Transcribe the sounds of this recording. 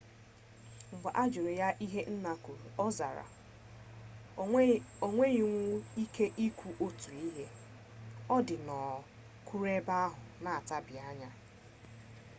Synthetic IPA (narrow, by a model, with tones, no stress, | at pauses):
ŋ͡m̩˨ɡ͡ba˨ʔa˦d͡ʒʊ˨ɾe˨ja˦ʔi˦ɦe˦n̩˦na˦ku˨ɾu˨ɔ˦za̰˨ɾa̰˨ | o˨ŋʷe˦i˨ŋʷu˦i˦kʰe˦ʔi˦kʷu˨ʔo˦tu˨i˦ɦe˦ | ɔ˦dɪ˨nɔ˨ | kʰu˦ɾe˦ba˦a˦ɦʊ˨na˨a˨ta˦bɪ˨a˦ɲa˦